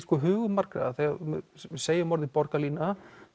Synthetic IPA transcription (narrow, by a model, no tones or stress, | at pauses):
skɔːɦʏːɣʏmaɾ̥kɾa̰aθɛɣaɾmmseːjamɔɾðɪpɔɾkaliːna